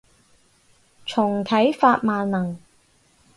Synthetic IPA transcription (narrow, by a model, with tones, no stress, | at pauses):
t͡ʃʰʊ˨˩ŋt̪ʰɐ˨˥jfaː˧t̚maː˨nnɐ˨˩ŋ